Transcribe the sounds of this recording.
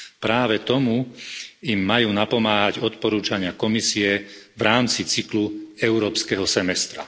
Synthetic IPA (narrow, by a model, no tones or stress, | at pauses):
pɾaːʋɛt̪ɔmu | imːajuːnapɔmaːɦaɟɔt̪pɔɾuːt͡ʃaɲɪakɔmisiɛʋɾaːmt͡sit͡sikluɛʊɾɔːpskɛɦɔsɛmɛst̪ɾa̰